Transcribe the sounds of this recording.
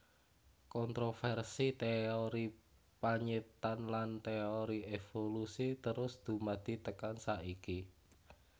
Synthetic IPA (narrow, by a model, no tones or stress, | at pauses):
kɔnt̪ɾofɛrsit̪eoɾi | paɲet̪anlant̪eoɾiefolusit̪əɾʊsd̪̥ṳmad̪̥i̤t̪əkansaʔiki